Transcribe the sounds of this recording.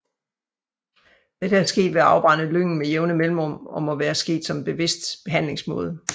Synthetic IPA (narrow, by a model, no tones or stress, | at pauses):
d̥ed̥ææɐsɡ̥e̝̰ːd̥ʋe̝ɑ̈ʊb̥ʁɑ̈nəløŋ̰n̩mejeʊnəmelm̩ʁɔ̽m̰ɒ̽mɒ̽ʋæːɐsɡ̥e̝̰ːd̥sɒ̽mb̥e̝ʋe̝sd̥b̥e̝ɦæn̰le̝ŋsmɔ̽ːð̞ˠə